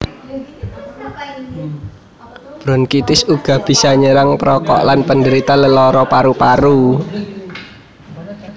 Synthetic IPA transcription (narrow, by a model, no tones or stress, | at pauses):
b̥ɾɔnkit̪ɪsuɡ̥a̤b̥i̤saɲəɾaŋpɾɔkɔ̰ʔlanpəndəɾit̪aləlɔɾɔpaɾupaɾu